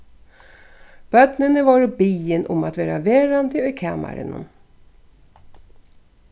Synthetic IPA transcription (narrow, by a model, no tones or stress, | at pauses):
b̥œt̪nənəvɑːɾɔbiːənʔɔmat̪væːɾa̰veːɾand̪əɛkʰama̰ɾə̰nɔ̰m